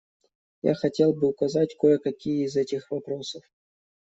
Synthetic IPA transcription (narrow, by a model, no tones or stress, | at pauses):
ja̰xɐtʲe̞lˠbɨʊkɐzatʲko̞jəkɐkʲijəɪzɛtʲɪxvɐpɾo̞səf